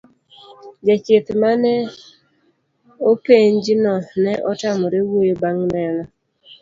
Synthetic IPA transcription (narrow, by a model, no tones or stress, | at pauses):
d͡ʒɛt͡ʃɪt̪manɛ | opeɲd͡ʒɪnɔnɛʔɔtamɔɾewojobaŋnɛnɔ